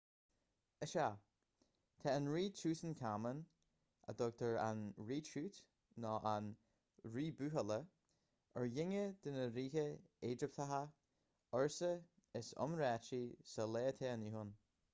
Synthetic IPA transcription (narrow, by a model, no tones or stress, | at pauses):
əʃa | t̪ʰɛənɹiːt͡ʃuːtənkʰamən | ə̰d̪ɔɡ̚t̪ʰəɹa̰nɹiːt͡ʃuːt̪ | nɔːʔan | ɹiːbʉːɦələ | əɹjɪŋəd̪ɪnəɾiːhəeːd͡ʒɪp̚t̪ʰaɦa | ɔɹsə | ɪsɔ̰mɾɛt͡ʃisəleːət̪ʰɛːəniɦʊn